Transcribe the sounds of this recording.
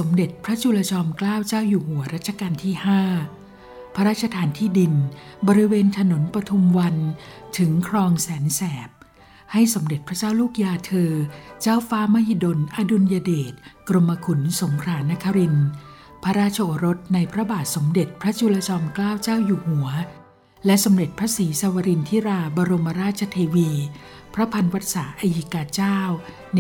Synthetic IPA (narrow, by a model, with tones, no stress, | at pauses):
so˩˦mde˨˩t̪̚pʰɾa˦˥t͡ɕʰu˧la˧t͡ɕʰɔː˧mklaː˥˩wt͡ɕaː˥˩wjuː˨˩hu˨˩˦ɐɾa˦˥t̪̚t͡ɕʰa˧kaː˧nt̪ʰiː˥˩haː˥˩ | pʰa˦˥ɾaː˥˩t̪̚t͡ɕʰa˧t̪ʰaː˨˦nt̪ʰiː˥˩di˧nbɔː˧ɾi˧˥weː˧nt̪ʰa˧no˩˦npɾa˧t̪ʰu˧mwa˧nt̪ʰɯ˩˦ŋkʰɾɔː˧ŋsɛː˩˦nsɛː˨˩p̚ | ha˥˩jso˩˦mde˨˩t̪̚pʰɾa˦˥t͡ɕaː˥˩wluː˥˩k̚jaː˧t̪ʰɤː˧t͡ɕaː˥˩wfaː˦˥ma˦˥hi˧do˧nʔa˧du˧njaː˧deː˨˩t̪̚kɾo˧mːa˧kʰu˩˦nso˩˦ŋkʰɾaː˧na˦˥kʰa˧ɾi˧n | pʰa˦˥ɾaː˥˩t̪̚t͡ɕʰa˧ʔoː˨˧ɾo˦˥t̪̚na˧jpʰɾa˦˥baː˨˩t̪̚so˩˦mde˨˩t̪̚pʰɾa˦˥t͡ɕʰuː˧la˧t͡ɕɔː˧nklaː˥˩wt͡ɕaː˥˩wjuː˨˩hu˩˦ɐ | lɛ˦˥so˩˦mɾe˨˩t̪̚pʰɾa˦˥siː˩˦saː˧wa˧ɾi˧nt̪ʰi˦˥ɾaː˧bɔː˧ɾo˧ma˧ɾaː˥˩t̪̚t͡ɕʰa˧t̪ʰeː˧wiː˧ | pʰɾa˦˥pʰa˧nwa˦˥t̪̚saː˩˦ʔa˧ji˨˦˩kaː˧t͡ɕaː˥˩w